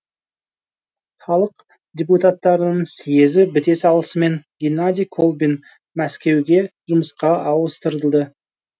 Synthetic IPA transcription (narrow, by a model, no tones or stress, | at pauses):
χɑlˠəq | dʲeput̪at̪ːɑɾənəɴsije̞zɪbɪt̪e̞sɑlˠəsəme̞ŋɡʲinad̪ʲijkʰo̞lˠbin | mæskʲe̞wɡʲe̞ʒ̥ʊməsqɑʔɑwəst̪əɾd̪əlˠd̪ə